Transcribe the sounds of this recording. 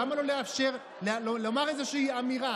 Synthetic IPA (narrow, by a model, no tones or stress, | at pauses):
amalo̞le̞afʃe̞ʁ | llolomaʁezeʃiiamiʁa